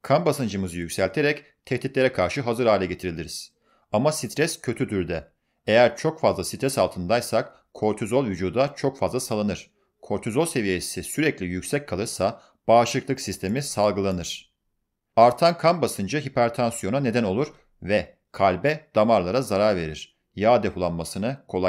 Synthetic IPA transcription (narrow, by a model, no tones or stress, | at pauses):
kʰanbasɯnd͡ʒɯmɯzɯjycʲsælʲt̪ʰe̞ɾɛc | t̪ʰɛht̪it̪lʲeɾɛkʰaɾʃɯɦazɯɾaːilʲɛɟe̞t̪ʰiɾilʲiɾiz̥ | amasit̪ʰɾɛscʰø̞t̪ʰyd̪yɾd̪ɛ | ejæɾt͡ʃʰo̞kfazlˠasit̪ʰɾɛsalˠt̪ʰɯnd̪ajsak | kʰo̞ɾt̪ʰyzo̞lˠvyd͡ʒuːd̪at͡ʃʰo̞kfazlˠasalˠanɯɾ̥ | kʰo̞ɾt̪ʰyzolˠse̞vije̞sisyɾɛclʲijycsɛcʰːalˠɯɾsa | b̥aːʃɯklˠɯksist̪ʰe̞misalˠɡɯlˠanɯɾ̥ | aɾt̪ʰankʰanbasɯnd͡ʒaɦipæɾt̪ʰansjo̞nane̞d̪æno̞lˠuɾ̥ | vɛ | kʰalʲbɛd̪̥amaɾlˠaɾazaɾaɾve̞̰ɾiɾ̥ | jaːd̪epʰulˠanmasɯnɯkʰo̞lˠa